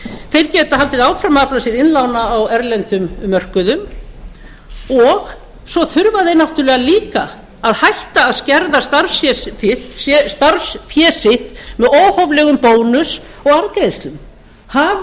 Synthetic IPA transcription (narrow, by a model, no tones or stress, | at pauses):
θejɾcɛːt̪ahalt̪ɪðaːwfɾamaplasɪðɪnlawnaːwɛɾlɛnt̪ʏmːœr̥kʏðʏm | ɔɣ | sɔθʏɾvaðejnaht̪ʏɾlɛɣaliːka | aðhajht̪aːðscɛɾðast̪aɾsɛsfɪht̪st̪aɾsfjɛːsɪht̪mɛðoːwhɔvlɛɣʏmpoːwnʏs | ɔɣaðkɾejðst̪lʏm | hav